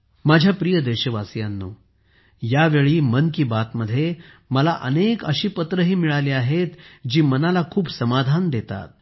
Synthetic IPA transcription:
mad͡ʑʱjapɾijəd̪eɕəʋasjanːuː | jaʋeɭiːmənkiːbat̪məd̪ʱːje | məlaʔənekəɕiːpət̪ɾəɦiːmiɭaliːaɦet̪d͡ʑiːmənalakʰuːbsəmad̪ʱand̪et̪a̰t̪̚

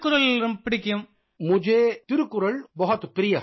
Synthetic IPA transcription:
kːʊɾɐlɾɯmpɪɽɪkːɐjɯm | mʊd͡ʒeːt̪ɪɾɯkːʊɾɐɭbɐɦɐt̪ːɯpɪɾɪjɐ

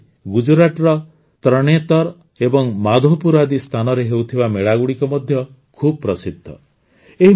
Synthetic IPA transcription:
ɡud͡ʒɾaʈɾɔ | t̪ɾɔɽ̃et̪ɔɾ | ebɔŋmad̪ʱopuɾad̪ist̪ʰanɔɾeɦewt̪ʰibameɭaɡuɽikɔmɔd̪ʱjɔ | kʰubɔpɾɔsid̪ʱːɔ̰ | eɦi

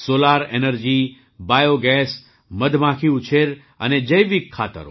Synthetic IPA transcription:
solaɾenəɾd͡ʒi | bajoɡɛs | məd̪ʱmãkʰiut͡ʃʰeɾ | ə̰ned͡ʒəjʋikʰːa̰t̪ə̰ɾo̰

